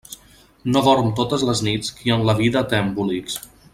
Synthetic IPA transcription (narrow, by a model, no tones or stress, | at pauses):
noβɔɾmt̪ot̪əzləznit͡skiəmləβ̞iðət̪ɛmbuliks